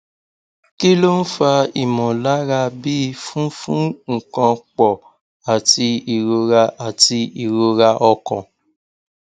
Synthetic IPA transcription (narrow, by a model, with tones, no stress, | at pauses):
ki˦lo˦n̩˦fa˧i˨mɔ̃˨la˨˦ɾa˧bi˦˧˦fũ˦fũ˦ŋ̩˨kã˧k͡pɔ˨ | a˨tʰi˧i˨ɾo˧ɾa˧a˨ti˧i˨ɾo˧ɾa˧ʔɔ˧kɔ̰̃˨